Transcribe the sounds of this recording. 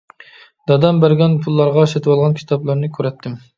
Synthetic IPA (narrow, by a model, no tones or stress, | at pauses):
d̪̥ɑd̪ɑmbæɾɡʲɛnpʰulˠːɑɾʁɑʃɛt̪ʰwɑlˠʁɑnkʲʰi̥t̪ʰɑblˠɑɾnɨkʲʰøɾɛt̪ʰːɪm